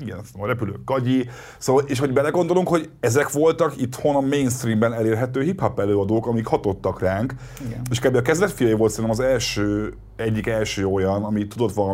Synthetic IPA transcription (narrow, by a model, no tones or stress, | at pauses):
iɡɛnɛst̪ːmɾɛpylø̰ːkɡɒɟi | soːvɒleːʃho̞ɟbɛlɛɡo̞nd̪o̞luŋkhoɟɛzɛkʋo̞lt̪ɒkit̪ho̞nɒmejnst̪riːmbɛnɛleːrɦɛt̪øːɦiphɒpːɛløːɒd̪oːkɒmikhɒt̪o̞t̪ːɒkraːŋk | eʃkaːbːiɒkɛzvɛt̪fijɒjiʋo̞lt̪sɛɾnɛmɒzɛlʃøː | ɛɟːikɛlʃøːo̞jɒnɒmit̪ːud̪o̞t̪ʋɒl